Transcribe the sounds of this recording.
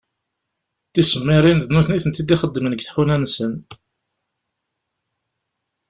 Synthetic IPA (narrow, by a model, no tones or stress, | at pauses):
θisəmːɪɾˤind̪nuθniθənt̪ːid̪iχəd̪ːəmənəɡθħunænsən